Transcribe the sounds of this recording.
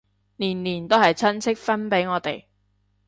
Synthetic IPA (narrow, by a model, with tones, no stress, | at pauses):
niː˨˩nliː˨˩nt̪o˥wɦɐ˨jt͡sʰɐ˥nt͡sʰɪ˥k̚fɐ˥npe˨˥jŋɔː˨˧t̪e˨j